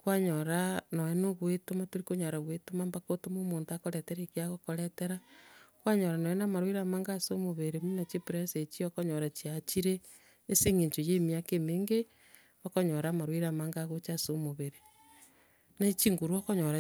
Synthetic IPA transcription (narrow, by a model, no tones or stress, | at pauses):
kwaɲoɾanoenoɣwetomatoɾikoɲaɾaɣwetomambakotomomoːntakoɾeteɾekiaɣokoɾeteɾakwaɲoɾanoenamaɾwiɾamaːŋɡasomoβeɾeminat͡ʃipɾeset͡ʃiokoɲoɾat͡ʃiat͡ʃiɾeː | seŋeɲt͡ʃojeːmiakemeːŋɡe | okoɲoɾamaɾwiɾamaŋɡaɣot͡ʃasomoβeɾe | nait͡ʃiŋɡuɾuɔkoɲoɾa